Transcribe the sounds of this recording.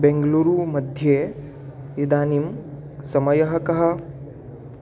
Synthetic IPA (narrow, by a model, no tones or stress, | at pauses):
bẽŋɡluːɾuːmɐd̪ʱje | id̪aːnim | sɐmɐjɐɦɐ̆kɐɦɐ̆